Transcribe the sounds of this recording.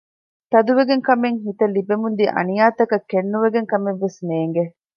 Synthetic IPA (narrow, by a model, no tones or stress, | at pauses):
t̪ɐd̪uʋeɡeŋkɐmeŋɦit̪ɐlibemund̪iʔɐ̰nijaːt̪ɐkɐkːenːuʋeɡeŋkɐmeʋːesneːŋɡe